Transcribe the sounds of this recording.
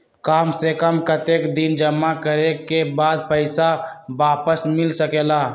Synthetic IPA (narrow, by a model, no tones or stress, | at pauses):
kaːmsekəmkət̪eːkd̪ɪnd͡ʒəmːakəɾekebaːd̪̚pəɪsabaːpəsmɪlsəkeːlaː